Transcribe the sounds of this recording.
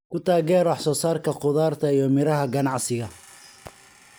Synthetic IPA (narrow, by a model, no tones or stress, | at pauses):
kʰʊt̪ʰaːɣɛːɾwɑħsɔːsaːrkʰɐqʊðaːrt̪ʰɐijɔmɪɾɐɦɐɡɐnɑʕsɪɣɐ